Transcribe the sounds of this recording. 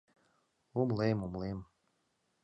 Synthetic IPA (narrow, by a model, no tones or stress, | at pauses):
umlemumlem